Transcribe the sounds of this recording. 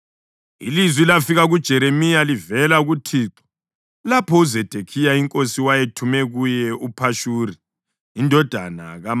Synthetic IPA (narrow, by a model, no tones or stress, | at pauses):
ḭlizwilafiɣaɣud̥ʒ̥ʱɛɾemijalivɛlaɣutʰiːtʼɔ̥ | lapʰɔuzɛd̥ʱekʰijaiŋkʼosiwajetʰumɛɣujɛʔupʰaʃuːriː | ndʱɔd̥ʱa̰na̰ɣam